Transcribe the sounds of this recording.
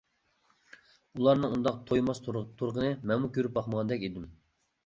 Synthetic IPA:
ulˠɑɾnɨŋund̪ɑq̚t̪ʰojmɑst̪ʰoɾʁənɨmɛŋmukʲʰøɾyp̚bɑχməʁɑnd̪ɛkʲid̪ɪm

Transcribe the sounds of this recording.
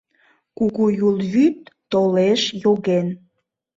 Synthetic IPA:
kuɣujulβyt̪ːoleʃjoɣen

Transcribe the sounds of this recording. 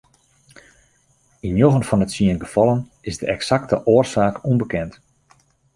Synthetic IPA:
injoɣənfɔnətsiənɡəfɑlˠən | ɪsdəʔɛksak̚təʔoːərsaːkumbəkɛnt

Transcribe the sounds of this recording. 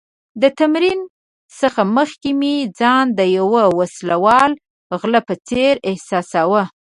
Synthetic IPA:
d̪ət̪amɾin | səxaməxkemid͡zɑnd̪əjawəwaslawɑl | ɣləpət͡seɾɪhsɑsawə

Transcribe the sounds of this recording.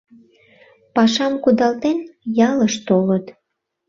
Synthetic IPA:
pɑʃɑmkud̪ɑlt̪enjɑləʃt̪olət̪

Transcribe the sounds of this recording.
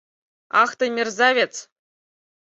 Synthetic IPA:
ɑχt̪ɤ̆mʲerzɑvʲet͡s

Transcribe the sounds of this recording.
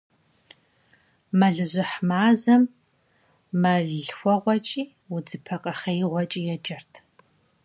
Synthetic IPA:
mɐɮɨʑʷɪħmaːzɐm | ɐɮxʷɔʁʷɔt͡ʃʼiː | wʊd͡zɨpʰɐqʼɐχɐjiʁʷɔt͡ʃʼiːjɛd͡ʒɐrtʰ

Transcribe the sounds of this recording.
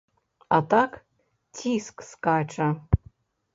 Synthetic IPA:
at̪ʰakʰ | tʰiskskaʈ͡ʂʰa

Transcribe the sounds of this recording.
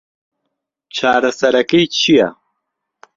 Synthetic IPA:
t͡ʃʰaːɾɐsɐɾɐkijt͡ɕʰija̰

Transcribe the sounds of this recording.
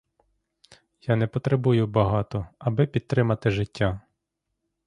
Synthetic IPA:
janɛpɔt̪ɾebujʊbɐɦɑt̪ɔɐbɪpʲid̪̚t̪ɾɪmɐt̪ɪʒɪtʲːa

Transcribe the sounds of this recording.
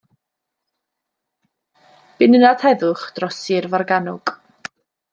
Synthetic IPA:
b̥ɪnənadhɛðʊχd̥rɔsɪrvarɡanʊɡ̥

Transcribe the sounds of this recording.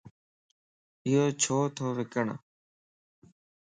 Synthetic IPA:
ɪjoːt͡ʃʰoːt̪ʰoːʋɪkəɳ̰

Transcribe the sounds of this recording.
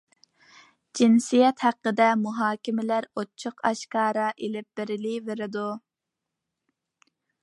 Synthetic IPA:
d͡ʒinsijɛt̪hæqːəd̪ɛmuɦɑːkʲɪmɪlæɾot͡ʃʰːʊqʰɑʃkɑːɾɑʔelɪp̚b̥ɪɾɪliveɾɪd̪u

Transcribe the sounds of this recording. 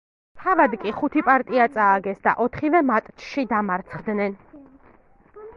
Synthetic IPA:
t̪ʰavad̪kʼiχut̪ʰipʼaɾt̪ʼiat̪sʼaːɡɛsd̪a̰ʔɔt̪ʰχivɛmat̪ʼt͡ʃʃid̪amaɾt̪sʰχd̪nɛn

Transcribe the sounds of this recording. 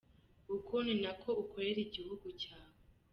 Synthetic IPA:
ukʰuninakʰo̞ukʰoɾeɾiɟihuɡucaːwe

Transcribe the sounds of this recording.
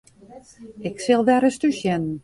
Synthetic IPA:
ɪksɪlˠdɛɾəstysɛnn̩

